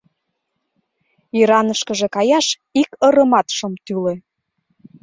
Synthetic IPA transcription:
iɾɑnəʃkə̆ʒekɑjɑʃ | ikəɾə̆mɑt̪ʃə̆mt̪yle

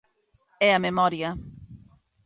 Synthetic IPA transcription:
ɛɐmemɔɾjɐ

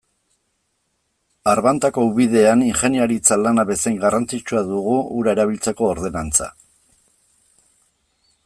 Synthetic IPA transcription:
aɾβant̪ako̞uβið̞e̞aniŋxe̞niaɾit͡salanaβe̞se̞ŋɡarant͡sit͡ʃuaðuɣuuɾae̞ɾaβ̞ilt͡se̞ko̞ːɾð̞e̞nant͡sa̰

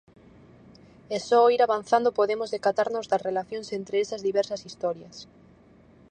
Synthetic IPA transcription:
ɛsɔiɾaβanθand̪opoðemozðekat̪aɾnozd̪asrelaθjõŋsent̪ɾeesɐzðiβɛɾsɐsist̪ɔɾjɐs

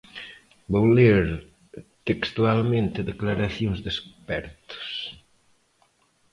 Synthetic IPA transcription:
bowleɾ | t̪ekst̪ualmẽnt̪eðeklaɾaθjoŋzðespɛɾt̪o̥s

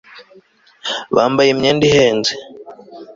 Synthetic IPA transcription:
βaːmbajemɲeːndiheːnze

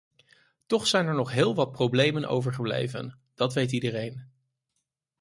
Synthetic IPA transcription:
tɔχsɛjnɛɹnɔχɦɪːlˠʋɑt̚prowblejmənʔo̰wvəɹχəblḛjvə̰n | d̥ɑtʋejtidərejn

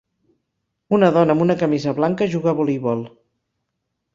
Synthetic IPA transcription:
unəðɔnəmunəkəmizəβlaŋkəʒuɣəβolijβɔlˠ

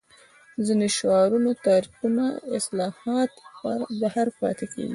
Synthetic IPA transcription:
zineʃoɑɾunot̪ɑɾiqunaɪslɑhɑt̪bahaɾpɑ̰t̪ekḛɡi

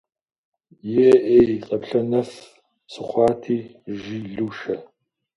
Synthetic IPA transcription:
jɛʔeqʼɐpɬɐnɐf | sɨχʷɑːtʰiːʒiːɮuːʃɐ

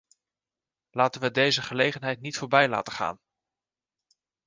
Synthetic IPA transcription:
laːtənʋədejzəχəlejχənɦɛjtnitfʊːɹbɛjla̰ːtəχa̰ːn

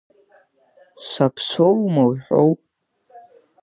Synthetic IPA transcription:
sʷapʰsowmawħʷᶣo̰wpʼ

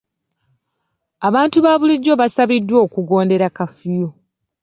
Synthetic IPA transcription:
aβaːntuβaːβuliɟːo̞βasaβidːwo̞ːkuɡo̞ːnde̞ɾakafijo

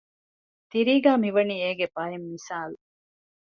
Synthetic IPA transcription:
t̪iɾiːɡæːmiʋɐniːeːɡebɐɦimːisaːlu

